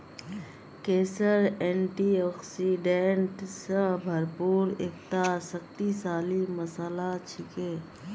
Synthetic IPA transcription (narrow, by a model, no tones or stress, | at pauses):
keːsəɾɛːɳʈiɔːksiɖeɳʈsəbʱəɾpuːɾeːkt̪asəkt̪isaːliməsəlat͡ʃʰɪkeː